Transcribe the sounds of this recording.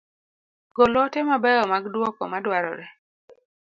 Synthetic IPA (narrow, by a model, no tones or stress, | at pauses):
ɡolɔtɛmabɛjɔmaɡdwɔkɔ̰madwaɾɔ̰ɾɛ